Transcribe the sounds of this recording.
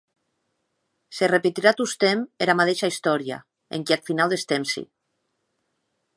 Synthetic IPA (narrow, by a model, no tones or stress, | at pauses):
serepet̪iɾat̪ust̪emeɾamat̪eʃaist̪ɔɾja̰ | ḛŋkiat̪finalˠd̪est̪emsḭ